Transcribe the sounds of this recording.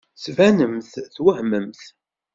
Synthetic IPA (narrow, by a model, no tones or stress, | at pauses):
svænəmθθwəhməmθ